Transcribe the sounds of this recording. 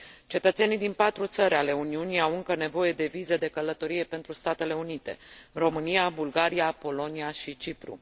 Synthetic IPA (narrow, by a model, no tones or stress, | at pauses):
t͡ʃe̞t̪ət̪senid̪inpat̪ɾut̪səɾʲale̞uniuniawɨŋkəne̞vo̞je̞d̪e̞vize̞d̪e̞kələt̪o̞ɾije̞pe̞nt̪ɾust̪at̪e̞le̞unit̪e̞̰ro̞mɨnijabulɡaɾiapo̞lo̞niaʃit͡ʃipɾṵ